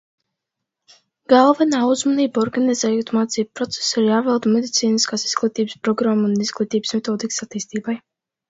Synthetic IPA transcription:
ɡalˠvɛnaːuzmɔniːbɔɾɡanizɛːjoːt̪maːt̪siːb̚pɾɔt̪sɛ̥siɾjaːvɛlˠd̪mʲed̪it̪siːniskaːsi̥z̥ɡ̥lˠit̪iːbspɾɔɡɾamːunizɡlˠit̪iːbsmɛt̪ɔːd̪iksat̪iːst̪iːbaj

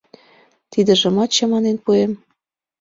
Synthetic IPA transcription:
t̪id̪ə̆ʒə̆mɑt̪t͡ɕɑ̆mɑnenpuem

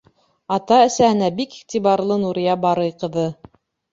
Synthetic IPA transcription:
ɑt̪ɑɘ̆sæɘ̆næbikiχt̪ibɑɾlˠɤnuɾijɑbɑɾɤjqɤ̆ðɤ

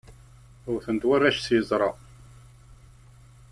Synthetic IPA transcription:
ʊɾθənd̪waræʃsjəzˤɾˤɑ

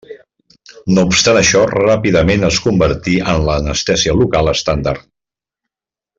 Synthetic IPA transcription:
noupst̪anəʃɔrapiðəmenəskumbəɾt̪iʔənləːnəst̪ɛsiəlukalˠəst̪and̪a̰rt̪

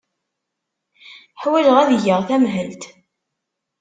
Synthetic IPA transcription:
ħwæləʁæðʝəʁθæmɦəlt̪

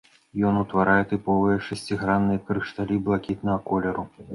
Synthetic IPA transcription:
jɔnut̪vaɾʔajɛt̪ɨpɔvɨjɐʂɐsʲt͡sʲiɣɾanːɨjɐkɾɨʂt̪alʲiblˠakʲit̪nɐɣɐkɔlʲɛɾu

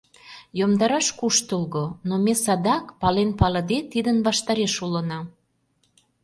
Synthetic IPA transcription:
jomd̪ɑɾɑʃkuʃt̪əlɣonomesɑd̪ɑkpɑlenpɑlə̆d̪et̪id̪ənβɑʃt̪ɑɾeʃulənɑ

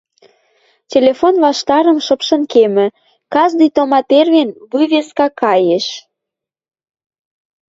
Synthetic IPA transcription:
tʲelʲefonβɑʃt̪ɑɾə̆mʃɤ̆pʃɤ̆nkemɘ̆ | kɑʒd̪ijt̪omɑt̪erβenβujβeskɑkɑjeʃ

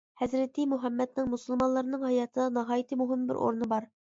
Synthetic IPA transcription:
hɛzɾɪt̪ʰɪmuɦɛmːɛd̪̚nɪŋmusulˠmɑnlˠɑɾnɨŋhɑjɑːt̪ʰɨd̪ɑnɨɦɑːjit̪ʰɨmuɦɪmbɪ̰ɾʔo̰ɾnɨbɑɾ

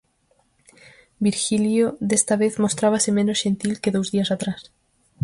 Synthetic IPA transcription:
biɾxiljoðest̪aβeθmost̪ɾaβ̞asemenosʃent̪ilkeðowzðiasat̪ɾas

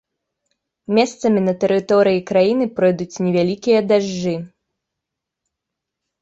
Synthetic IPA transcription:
mʲɛst̪sɐmʲinɐt̪ɛɾɨt̪ɔɾɨjikɾajinɨpɾɔjd̪ut͡sʲnʲɛvʲalʲikʲijɐd̪aʐːɨ

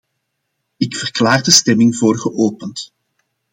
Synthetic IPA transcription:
ɪkfərklaːrdəstɛmɪŋvoːrɣəʔoːpənt

